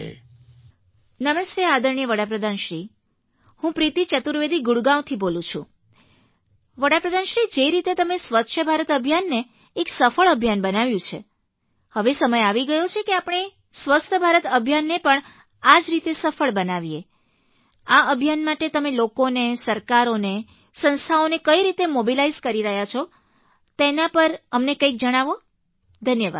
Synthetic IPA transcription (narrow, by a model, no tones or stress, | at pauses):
nəməst̪ead̪əɾɳijəʋəɽapɾəd̪ʱanʃɾi | hũpɾit̪it͡ʃət̪uɾʋed̪ʱiɡʊɽɡãwt̪ʰibolũt͡ʃʰṵ̃ | ʋəɽapɾəd̪ʱanʃɾid͡ʒeɾit̪et̪əmesʋət̪ːʃʰəbʱaɾət̪əbʱjanːeː | ksəfəɭəbʱjanbənaʋjũt͡ʃʰe | həʋesəməjaʋiɡəjot͡ʃʰekeapəɳ̃e | sʋəst̪ʰəbʱaɾət̪əbʱjanːepəɳ | ad͡ʒɾit̪esəfəɭbənaʋie | aəbʱjanmaʈet̪əmelokonesəɾkaɾone | sə̃nst̪ʰaonekəiɾit̪emobilaizkəɾiɾəɦjat͡ʃʰɔ | t̪enapəɾəmnekəjk̚d͡ʒəɽ̃aʋo | d̪ʱənjəʋa̰d̪